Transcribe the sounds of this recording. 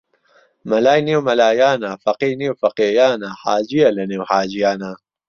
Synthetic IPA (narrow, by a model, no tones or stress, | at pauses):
mɐlaːjniwmɐlaːjaːnafɐqijniwfɐqeːjaːnahaːd͡ʒijɐlɐnewhaːd͡ʑijaːnaː